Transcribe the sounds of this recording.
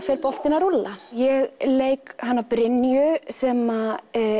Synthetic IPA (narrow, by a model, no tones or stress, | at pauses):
fɛɾpɔl̥t̪ɪnaɾʊlːajɛɣleːjkhanːavpɾɪnːjʏsɛma